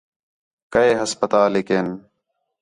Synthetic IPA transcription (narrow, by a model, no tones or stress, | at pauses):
kəeːɦəspət̪aːlɪkeːn